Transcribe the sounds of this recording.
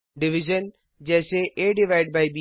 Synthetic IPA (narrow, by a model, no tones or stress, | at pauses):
ɖɪʋɪʒən | d͡ʑɛ̃ːseʔeːɖɪʋaːɪɖbaːiɓi